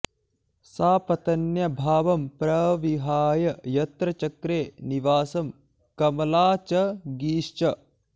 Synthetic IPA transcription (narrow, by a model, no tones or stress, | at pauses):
saːpɐt̪ɐnjɐbʱaːʋɐmpɾɐʋiɦaːjɐjɐt̪ɾɐt͡ʃɐkɾeːniʋaːsɐm | kɐmɐlaːt͡ʃɐɡiːʃt͡ʃɐ